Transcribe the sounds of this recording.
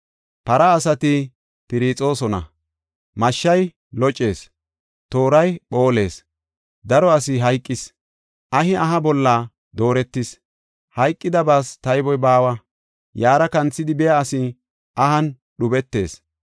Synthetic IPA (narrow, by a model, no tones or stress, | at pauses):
pɐɾɐːsɐt̪ɪ | pɪɾit͡sʼo̞ːsɔnɐ̰ | mɐʃːɐj | lɔt͡ʃʼːe̞ːs | t̪o̞ːɾɐjɓo̞ːle̞̰ːs | d̪ɐɾɔɐsɪɦɐjkʼːɪs | ʔɐhɪʔɐɦɐbɔlːa | d̪o̞ːɾɛt̪ːɪs | hɐjkʼːɪd̪ɐbaːst̪ɐjbɔjbaːwɐ | jaːɾɐkɐnt͡sːɪd̪ɪbɛjɐɐsɪ | ʔɐhɐn | ɗʊbɛt̪ːe̞̰ːs